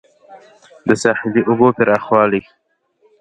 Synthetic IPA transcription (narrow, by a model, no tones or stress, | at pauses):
d̪əsɑħɪliʔʊbopɪɾaxwɑːli